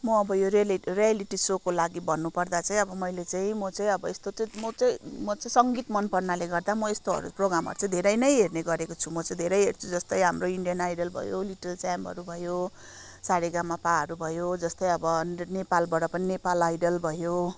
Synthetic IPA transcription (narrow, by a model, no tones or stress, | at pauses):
mʌːbʌjoɾlrijaliʈisokolaɡibʌnːupʌrd̪at͡saĩʌbʌmʌjlet͡saĩmʌt͡saĩʌbʌest̪ot͡sãmʌt͡saĩmʌt͡saĩsʌŋɡit̪mʌnpʌrnaleɡʌrd̪amʌest̪oɦʌ̰ɾṵproɡɾamɦʌ̰ɾut͡sãĩd̪ʱeɾʌjnʌjɦerneɡʌɾekot͡sʰumʌt͡saĩd̪ʱeɾʌjɦert͡sʰud͡zʌst̪ʌj̃ɦamroiɳɖijʌnajɖʌlbʱʌ̰jo̰liʈʌlt͡samʌ̰ɾubʱʌjo | saɽeɡamːapaɦʌɾubʱʌjod͡zʌst̪ʌj̃ʌbʌnepalbʌɽʌpʌninepalajɖʌlbʱʌjo